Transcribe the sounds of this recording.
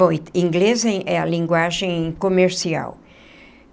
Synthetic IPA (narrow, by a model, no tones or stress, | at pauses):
õjt̪ĩŋɡlezẽʔɛɐlĩŋɡwaʒẽj̃komeɾsia̰w